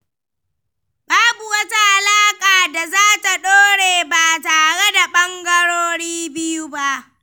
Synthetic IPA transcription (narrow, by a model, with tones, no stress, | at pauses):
baː˦bu˨wɐ˦ta˦ha˨laː˦kʼaː˨da˨zaː˦ta˨ɗoː˦ɽeː˨baː˨taː˨ɽe˦da˨ɓɐ˦ŋɡɐ˦ɽoː˦ɽiː˦bɪ˦ju˦ba˦ʔ